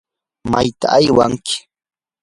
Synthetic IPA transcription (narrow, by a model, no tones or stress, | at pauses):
majt̪aːjwaŋkɪ̥